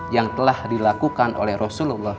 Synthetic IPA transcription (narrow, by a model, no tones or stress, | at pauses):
jaŋt̪əlahdilakukanʔo̰lɛhrʔɔsululːɔh